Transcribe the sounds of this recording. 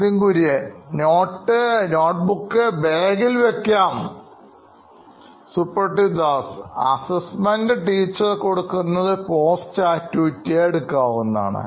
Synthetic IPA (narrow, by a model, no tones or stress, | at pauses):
iŋkuɾijeno̞ːʈːɨno̞ːʈ̚bukːɨbeːɡilʋekʲːaːm | supːɐrʈid̪aːsɐ̰sɐsmɐndɨʈiːt͡ɕːɐrko̞ɽukːunːɐðɨpo̞ːst͡ɕaːtːuːtːeeɽukːaːʋunːa̰ːɳɨ̰